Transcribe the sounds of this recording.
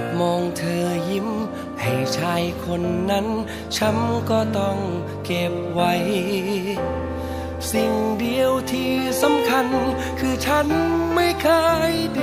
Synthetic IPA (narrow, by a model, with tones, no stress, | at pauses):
mɔː˧ŋt̪ʰɤː˧ji˦˧˥m | ha˨˩jt͡ɕʰaː˧˥jkʰo˧nːa˦˥n | t͡ɕʰa˦˥mkɔː˧˩t̪ɔ˧˩ŋ | ke˨˩p̚wa˦˥j | si˨˩ŋdi˧əwt̪ʰiː˧˩sa˨˦mkʰa˧n | kʰɯː˧t͡ɕʰa˦˥nma˥˩jkʰaː˧˥˩jdi˧